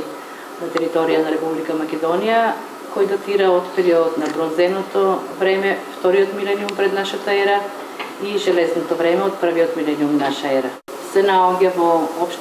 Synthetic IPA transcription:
nat̪ɛɾit̪ɔɾijanaɾɛpublikamakʲɛd̪ɔnija | kɔjd̪at̪iɾaot̪pɛɾiɔd̪ot̪nabɾɔzɛnɔt̪ovɾɛmɛft̪ɔɾioɔt̪milɛniumpɾɛd̪naʃat̪aɛɾa | iʒɛlɛsnɔt̪ɔvɾɛmɛot̪̚pr̩viɔt̪milɛniumnaʃaɛɾa | sɛnaɔɟavoɔpʃ

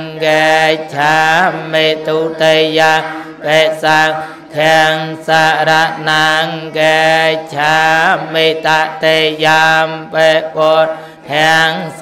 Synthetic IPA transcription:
ŋket͡ɕʰaːmːeːt̪uːt̪ejaŋ | ɓeɛːʔsaːŋ | t̪ʰɛəŋsaːɾaʔnaŋket͡ɕʰaːmːeːt̪aʔt̪ejaːmɓeːʔɓɔt̪̚ | t̪ʰɛəŋs

